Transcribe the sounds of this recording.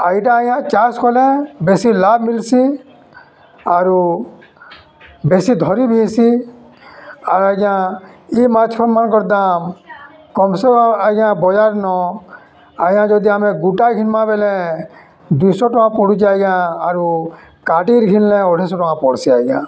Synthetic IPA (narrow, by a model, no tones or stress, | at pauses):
aiʈãajãt͡ʃaskʰɔlɛ̃besilabmilsi | aɾu | besid̪ʱɔɾibʱisi | aɾaɡãimat͡ʃʰkʰɔɾmankɔɾd̪am | kɔmsɔaɡãbɔd͡ʒaɾnɔ | ajãd͡ʒɔd̪iamɛ̃ɡuʈaɡʱinmãbelɛ̃ | d̪ujsɔʈɔkãpɔɽut͡ʃajɡãaɾu | kaʈiɾɡʱinlɛ̃ɔɽʰʱɛs̬ɔʈɔkãpɔɽsiajɡã̰